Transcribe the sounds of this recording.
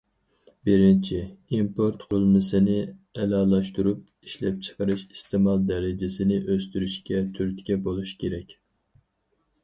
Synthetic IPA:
bɪɾɪnt͡ʃʰiimpʰoɾt̪qʰʊlˠmɨsɨnɪɛlɑːlˠɑʃt̪uɾup̚ | iʃlɛp̚t͡ʃʰə̥qəɾɨʃist̪ʰɪmɑlˠd̪ɛɾɪd͡ʒɪsɪnɪʔøst̪yɾyʃkʲɛt̪ʰyɾt̪kʲɛbolˠuʃkʲeɾɛkʲ

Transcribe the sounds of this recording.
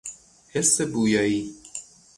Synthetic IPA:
hesːebujɒːji

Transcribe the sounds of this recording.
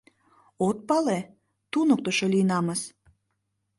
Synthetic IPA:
ot̪̚pɑle | t̪unok̚t̪oʃolʲinɑməs

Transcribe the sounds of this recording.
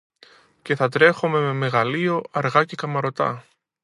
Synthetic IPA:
ce̞θɐt̪ɾe̞xome̞me̞me̞ɣɐlio̞ɐɾɣɐce̞kɐmɐɾo̞t̪ɐ̰

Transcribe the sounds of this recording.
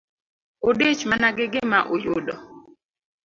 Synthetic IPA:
odet͡ʃmanaɡɪɡɪmaʔojʊdɔ

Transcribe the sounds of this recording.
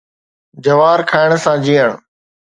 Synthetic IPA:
d͡ʑəʋaːɾkʰaːɪɽ̃sãːd͡ʑiːəɽ̃

